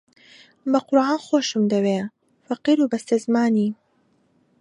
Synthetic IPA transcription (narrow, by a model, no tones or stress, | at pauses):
bɐqʊɾʕaːnxoːʃɨmd̪ɐweː | fɐqiːɾuːbɐst̪ɐzmaːniː